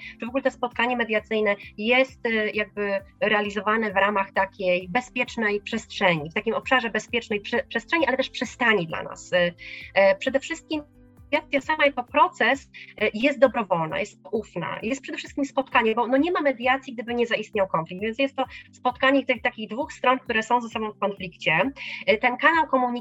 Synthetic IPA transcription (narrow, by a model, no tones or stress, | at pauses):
t͡ʂɨvɔɡulɛt̪ɛspɔt̪kaɲɛmɛd̪ʲjat̪sɘjnɛjɛst̪jaɡ̚bɘɾɛalʲizɔvanɛvɾamaxt̪akʲejbɛspʲjɛt͡ʂnɛjpʂɛstʂɛɲift̪akʲimɔpʂaʐɛbɛspʲjɛt͡ʂnɛjpʂɛpʂɛstʂɛɲiʔalɛt̪ɛʂpʂɛst̪aɲid̪la̰na̰s | pʂɛd̪ɛfʂɘst̪̚kʲim | jat̪sʲjasamajakɔpɾɔt̪sɛsjɛst̪̚d̪ɔbɾɔvɔlna̰jɛst̪ːɔʔufna̰jɛst̪pʂɛd̪ɛfʂɘst̪kʲimspɔt̪kaɲɛbɔnɔɲɛmamɛd̪ʲjat̪sʲjiɡd̪ɘbɘɲɛzaʔist̪̚ɲawkɔnflik̚t̪vʲjns̬ʲjɛst̪ːɔspɔt̪kaɲɛt̪ɘxt̪akʲiɣd̪vuxst̪ɾɔnkt̪uɾɛsɔ̃w̃zasɔbɔ̃w̃fkɔnflʲikt͡ɕɛt̪ɛnkanawkɔmuɲi